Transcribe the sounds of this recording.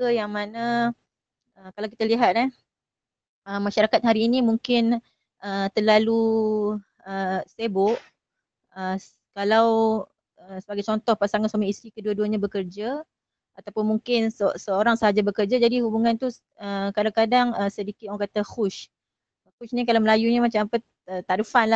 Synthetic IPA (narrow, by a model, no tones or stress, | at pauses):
səjaŋmanə̃ | əkalawki̥t̪aliɦat̪̚la | əmːaʃaɾakat̪̚ɦaɾiːnimuŋkɪn | ət̪ərlalu | əsebʊʔ | ə | kalaw | əsəbaɡajt͡ʃɔnt̪ɔhpasaŋanswamĩist̪ɾikəduəduaɲabəkərd͡ʒa | at̪awpʊnmuŋkɪnsəsəoɾaŋsəɦad͡ʒabəkərd͡ʒad͡ʒadihubuŋãnt̪u | əkadakadaŋəmsədikɪt̪̚aŋkat̪axuʃ | kut͡ʃnikalawməlajuɲamat͡ʃamapə | ət̪aɾifanla